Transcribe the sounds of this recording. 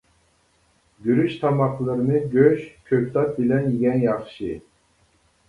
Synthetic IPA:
ɡʲyɾyʃt̪ʰɑmɑqlˠɨɾɨnɨɡʲøʃkʲʰøp̚ʲt̪ʰɑt̪̚bɪlɛnjiɡʲɛnjɑχʃɨ

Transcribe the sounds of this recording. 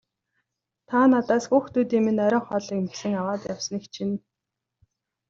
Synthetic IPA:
t̪ʰaːnat̪aːsxuːxt̪uːt̪iːmenœɾʲɞːχɔːɮiːkmsɘ̆ŋawaːt̪ja̰w̥sə̆nikt͡ɕʰin

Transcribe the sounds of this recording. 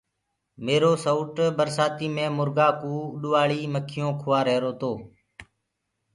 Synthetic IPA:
meːɾoːsouːʈbəɾsaːt̪iːmẽːmʊɾɡaːkuːɗʊʋaːɭiːməkʰɪjõːkʰʊʋaːɾeːɾoːt̪oː

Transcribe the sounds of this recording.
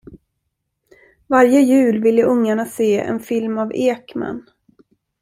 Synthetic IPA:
vaɾjəjʉ̟ːlvɪlːəʔɵŋːaɳaseːɛ̰nfɪlmaveːkma̰n

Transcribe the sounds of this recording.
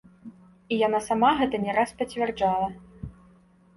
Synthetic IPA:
ijanasamaɣɛt̪ɐnʲɛɾaspɐt͡sʲvʲɛrd͡ʐalˠɐ

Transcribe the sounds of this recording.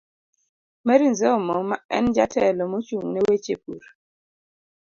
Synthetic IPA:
mɛɾinzemɔmaɛ̰nd͡ʒatʰɛlɔmɔt͡ʃuŋnɛwet͡ʃepuɾ

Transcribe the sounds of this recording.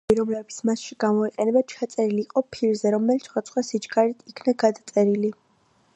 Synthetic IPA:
iɾɔmlɛb̪smasʃiɡ̥amɔiqʼɛnɛbat͡ʃʰat̪sʼɛɾiliːqʼɔpʰiɾzɛɾɔmɛlit̪sʰχwat̪sʰʼχwasid͡ʒɡaɾit̪ʰikʰnaɡad̪at̪sʼɛɾili

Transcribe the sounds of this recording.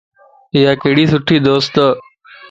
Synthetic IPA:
ɪjaːkeɦɪɽiːsʊʈʰiːd̪oːst̪

